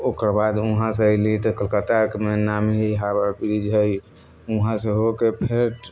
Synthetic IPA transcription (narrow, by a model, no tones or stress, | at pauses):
okəɾbad̪uɦãs̬eəjlit̪ɔkəlkət̪akemenamɦiɦabəɾpiid͡ʒʱəj | uɦãseɦokepʰeʈ